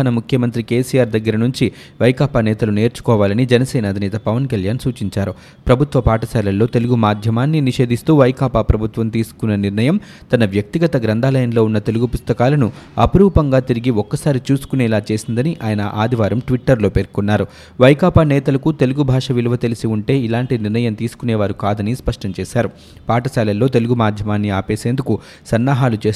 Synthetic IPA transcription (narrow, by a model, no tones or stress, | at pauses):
nɐmukʰjɐmɐnt̪ɾike̞ːsijaːɾd̪ɐɡːɐɾɐnuɲt͡ʃi | ʋɐjkaːpaːnɛːt̪ɐlune̞ːɾt͡ʃu̥kɔːʋaːlɐnid͡ʒɛnɐsɛːnɐɐd̪ʱinɛːt̪ɐpɐʋɐnkɐljaːnsuːt͡ʃiɲt͡ʃaːɾu | pɾɐbʱut̪ʋɐpaːʈɐsalɐlːoːt̪e̞luɡumaːd̪ʱjɐmaːnːiniʂe̞ːd̪ʱist̪uːʋɐjkaːpaːpɾɐbʱut̪ʋɐmt̪iːsu̥kunːɐniɾnɐjɐm | t̪ɐnɐʋjɐk̚t̪iɡɐt̪ɐɡɾɐnd̪ʱaːlɐjɐnlo̞ːunːɐt̪e̞luɡupust̪ɐkaːlɐnu | ɐpɐɾuːpɐŋɡaːt̪iɾiɡiɔkːɐsaːɾit͡ʃuːsu̥kuneːlaːt͡ʃe̞ːsind̪ɐniʔaːjɐnɐʔaːd̪ʱiʋaːɾɐmʈʋiʈːɐɾlo̞ːpeːɾkunːaːɾu | ʋɐjkaːpaːnɛːt̪ɐlɐkut̪e̞luɡubʱaːʂɐʋiluʋɐt̪elisiuɳʈe̞ːilaːɳʈiniɾnɐjɐmt̪iːsu̥kunɛːʋaːɾukaːd̪ɐnispɐʂʈɐmt͡ʃɛːʃaːɾu | paːʈɐsɛːlɐlːo̞ːt̪e̞luɡumaːd̪ʱjɐmaːnːiaːpeːseːnd̪uku | sɐnːaːɦaːlut͡ʃeː